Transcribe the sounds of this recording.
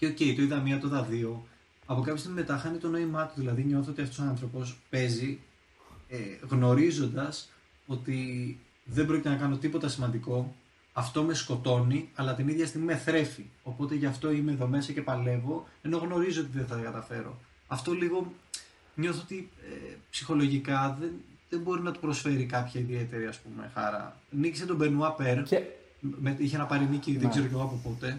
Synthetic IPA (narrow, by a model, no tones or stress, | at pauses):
ceo̞ce̞it̪oiðɐmiɐt̪oðɐðio̞ | ɐpo̞kɐpçost̪iɣmime̞t̪ɐxɐnit̪o̞no̞imɐt̪uðilɐðiɲo̞θoo̞t̪iɐft̪osoɐnθɾo̞po̞spe̞zi | eɣno̞ɾizo̞nd̪ɐs | o̞t̪i | ðembɾocit̪enɐkɐno̞t̪ipo̞t̪ɐsimɐnd̪iko̞ | ɐft̪o̞me̞sko̞t̪o̞niɐlɐt̪iniðʝɐst̪iɣmimeθɾe̞fio̞po̞t̪e̞ʝɐft̪o̞imeðo̞me̞sɐce̞pɐle̞vo̞e̞no̞ɣno̞ɾizoot̪iðeθɐt̪ɐɡɐt̪ɐfe̞ɾo̞̰ | ɐft̪o̞liɣo̞ | ɲo̞θoot̪iḛpsixo̞lo̞ʝikɐðenðembo̞ɾinɐt̪u̥pɾo̞sfe̞ɾikɐpçɐiðie̞t̪e̞ɾiɐspume̞̰xɐ̰ɾɐ̰niciset̪o̞be̞nuɐpeɾ | meiçenɐpɐɾiniciðeɡze̞ɾo̞ce̞ɣoɐpopot̪e̞